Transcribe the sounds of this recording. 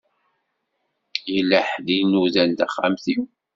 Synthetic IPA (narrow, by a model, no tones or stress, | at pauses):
jəlːəħðinuðælt̪æχːa̰mθiw